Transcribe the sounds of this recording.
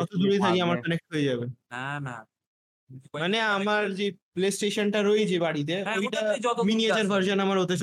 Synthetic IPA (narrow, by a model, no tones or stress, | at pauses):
kɔt̪ʰod̪uɾejt̪ʰakiamaɾkɔnek̚ʈɦojed͡ʑabeana | maneamaɾd͡ʑeplesʈeʃonʈaɾojd͡ʑʰebaɽit̪̬eojʈaminied͡ʑaɾbʱəɾʃonamaɾot̪et͡ɕʰ